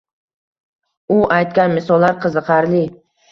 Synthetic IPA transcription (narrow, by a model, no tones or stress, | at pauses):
ʊʔajt̪̚kʲanmɪsɒlˠːaɾqʰɨzɨqʰɑɾlɪ